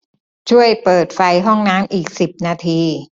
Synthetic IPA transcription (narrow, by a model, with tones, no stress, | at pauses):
t͡ɕʰu˥˩əjpɤː˨˩t̪̚fa˧jɦɔ˥˩ŋnaː˦˥mʔiː˨˩k̚si˨˩p̚naː˧t̪ʰiː˧